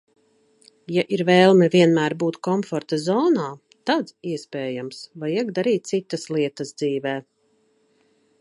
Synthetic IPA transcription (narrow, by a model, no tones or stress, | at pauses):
jaʔiɾvɛːlˠmɛvʲiɛnmæːɾbuːt̪kɔmfɔɾt̪azɔːnaː | t̪ad̪ziɛspɛːjamsvajiɛɡd̪aɾiːt̪̚t̪sit̪ːaslˠiɛt̪ɐzd̪ziːvɛː